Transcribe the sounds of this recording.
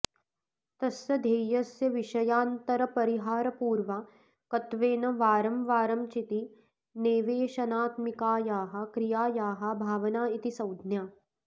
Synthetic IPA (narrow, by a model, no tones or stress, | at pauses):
t̪ɐsjɐd̪ʱeːjɐsjɐʋiʃɐjaːnt̪ɐɾɐpɐɾiɦaːɾɐpuːɾʋaː | kɐt̪ʋeːnɐʋaːɾɐmʋaːɾɐmt͡ʃit̪i | neːʋeːʃɐnaːt̪mikaːjaːɦɐ̆kɾijaːjaːɦɐ̆bʱaːʋɐnaːit̪isɐwd̪ʱnjaː